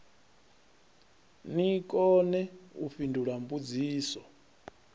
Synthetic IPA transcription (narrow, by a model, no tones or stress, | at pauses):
nikʼɔnɛufindʱuɺambud͡ziːsɔ